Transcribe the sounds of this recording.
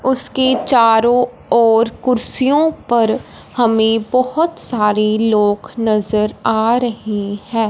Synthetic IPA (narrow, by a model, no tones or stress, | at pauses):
ʊsket͡ʃaːɾõ | ɔːɾkʊɾsijõpɐɾ | hɐmẽbɐhʊt̪saːɾeloːɡnɐzəɾaːɾɐɦehɛ̃ː